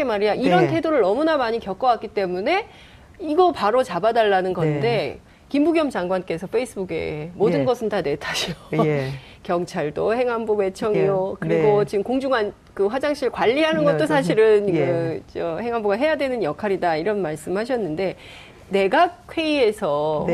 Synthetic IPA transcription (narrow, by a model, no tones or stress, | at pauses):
emaɾijaiɾʌntʰe̞doɾɯɭnʌmunamaɲikjʌk͈ʌwak͈it͈e̞mune̞ | iɡʌpaɾot͡ɕabadaɭːanɯnɡʌnde̞ | kimbuɡjʌmd͡ʑaŋɡwank͈e̞sʰʌpʰeis͈ʰɯbuɡe̞̰modɯnɡʌsʰɯntane̞tʰaɕʰio | kjʌŋt͡ɕʰaɭdohe̞ŋɦambume̞t͡ɕʰʌŋijokɯɾiɡot͡ɕiɯmkoŋd͡ʑuŋan | kɯɸwad͡ʑaŋɕ͈ʰiɭkwaʎːiɦanɯnɡʌtt͈osʰaɕʰiɾɯnkɯt͡ɕ͈ʌhe̞ŋɦamboɡaɦe̞jadwe̞nɯnjʌkʰaɾidaiɾʌnmaɭs͈ɯmɦaɕʰʌnːɯnde̞ | ne̞ɡakʰwe̞ie̞sʰʌ